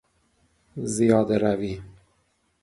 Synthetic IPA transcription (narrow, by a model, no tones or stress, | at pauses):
zijɒːd̪eɾæviː